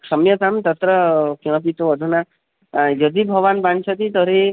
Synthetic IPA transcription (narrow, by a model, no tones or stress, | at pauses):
sʌmjʌt̪amt̪ʌt̪ɾʌkjɔ̃pit̪oɔd̪ʱuna | d͡ʒʌd̪ibʱʌʋanbant͡ʃʰʌt̪it̪ɔɾe